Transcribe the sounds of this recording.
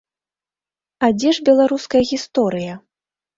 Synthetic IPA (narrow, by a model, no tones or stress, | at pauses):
ad͡zʲɛʐbʲɛlˠaɾuskɐjɐɣʲist̪ɔɾɨjɐ